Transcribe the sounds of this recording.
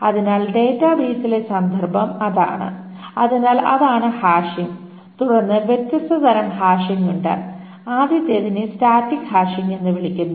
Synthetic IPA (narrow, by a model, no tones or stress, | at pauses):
ɐðinaːlɖe̞ːtːaːbiːsile̞sɐnd̪ʱɐrbʱɐmɐða̰ːɳɨ̰ | ɐðinaːlɐ̰ðaːɳɨhaːʂim | t̪uɽɐnːɨʋjet̪jɐst̪ɐt̪ɐɾɐmhaːʂiŋuɳɖɨ̰ | aːd̪jɐt̪ːjeðinɨsʈaːtːikhaːʂiŋe̞nːɨʋiɭikʲːunːu